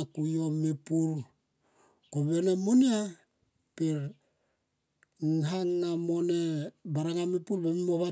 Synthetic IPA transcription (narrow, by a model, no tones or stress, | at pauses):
kujo̞mipuɾ | koβenamunia | piɾ | ŋɦaŋːamo̞ne̞baɾaŋamipuɾbemimoβa